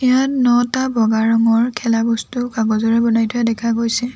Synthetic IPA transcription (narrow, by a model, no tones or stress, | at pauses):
ijatnɔtabʱɔɡaɹɔŋɔɹkʰɛlabustʊkaɡɔzɔɹɛbɔnajtʰʊjadɛkʰaɡojsɛ